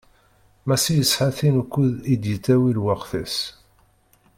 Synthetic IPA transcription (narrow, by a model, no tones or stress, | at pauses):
mæsijəsħaθinkʷːuðid̪jət͡sːæwilwaqθæs